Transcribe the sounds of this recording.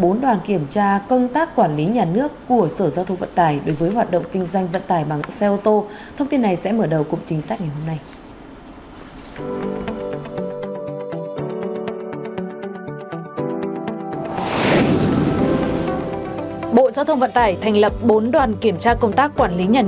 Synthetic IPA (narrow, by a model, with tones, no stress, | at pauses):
ɓo˨˦nɗwaː˨˩nki˧˩əmt͡ɕaː˧kə˧wŋ͡mt̪aː˦˥kːwaː˧˩nli˨˦ɲaː˨˩nɨ˦˥əkːu˧˩əsəː˧˩zaː˧wt̪ʰə˧ŋ͡mvə̰˧˨nt̪aː˧˩jɗo˨˦jvəː˨˦jɦwaː˨˩t̚ɗə̰˧˨wŋ͡mkï˧ŋ̟zwa˧jŋ̟və̰˧˨nt̪aː˧˩jɓa˨˩ŋsɛ˧ʔo˧t̪o˧ | t̪ʰə˧wŋ͡mt̪i˧nːa˨˩jsɛ̰˧˥məː˧˩ɗə˨˩wkʊ̰˧˨ŋ͡mt͡ɕï̟˨˦saː˦˥k̚ɲa˨˩jɦo˧mna˧j | ɓo̰˧˨zaː˧wt̪ʰə˧wŋ͡mvə̰˧˨nt̪aː˧˩jt̪ʰa˨˩jŋ̟lə˨˩p̚ɓo˨˦nɗwaː˨˩nki˧˩əmt͡ɕaː˧kə˧wŋ͡mt̪aː˦˥kːwaː˧˩nli˨˦ɲaː˨˩